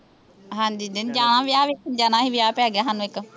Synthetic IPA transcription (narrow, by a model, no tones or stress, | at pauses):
ɦãːɲd͡ʒiːd̪ɪnd͡ʒaːñãːʋɪjaːʋɪkɪnd͡ʒaːnãːɦiːʋjaːpɛːɡjaːɦanũːɪk